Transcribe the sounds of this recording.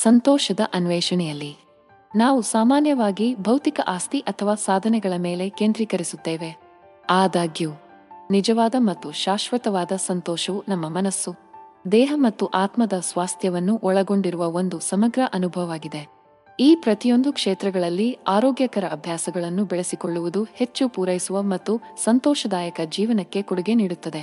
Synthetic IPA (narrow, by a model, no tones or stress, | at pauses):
sɐnt̪ɔːʃɐd̪ɐʔɐnʋɛːʃɐɳɛjɐlːi | naːʋusaːmaːnjɐʋaːɡibʱɐwt̪ikɐʔaːst̪iʔɐt̪ʰɐʋaːsaːd̪ʱɐnɛɡɐɭɐme̞ːle̞keːnd̪ɾikɐɾisut̪ːeːʋe | aːd̪aːɡjuː | nid͡ʒɐʋaːd̪ɐmɐt̪ːuʃaːʃʋɐt̪ɐʋaːd̪ɐsɐnt̪ɔːʃɐʋunɐmːɐmɐnɐsːud̪ɛːɦɐmɐt̪ːuʔaːt̪mɐd̪ɐsʋaːst̪ʰjɐʋɐnːuʔɔɭɐɡo̞ɳɖiɾuʋɐo̞nd̪usɐmɐɡɾɐʔɐnubʱɐʋʋaːɡid̪e̞ | iːpɾɐt̪ijo̞nd̪ukʂeːt̪ɾɐɡɐɭɐlːiaːɾɔːɡjɐkɐɾɐːbʱjaːsɐɡɐɭɐnːubɛɭesiko̞ɭːuʋud̪uhe̞t͡ʃːupuːɾɐjisuʋɐmɐt̪ːusɐnt̪ɔːʃɐd̪aːjɐkɐd͡ʒiːʋɐnɐkːe̞kuɽuɡe̞niːɽut̪ːɐd̪e